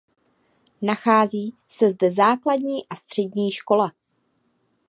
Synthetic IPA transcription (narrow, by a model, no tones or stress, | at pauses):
naxaːziː | sɛzdɛzaːkladɲiːʔast̪r̝̥ɛɟɲiːʃko̞la